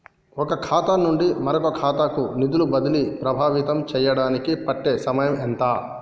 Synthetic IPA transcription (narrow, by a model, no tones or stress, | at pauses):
ɔkɐkʰaːt̪anːuɳɖimɐɾɐkokʰaːt̪akunid̪ulubɐd̪ilipɾɐbʱaːʋit̪ɐmt͡ʃɛːjɐɽaːnikipɐʈːeːsɐmɐjɐmɛnt̪aː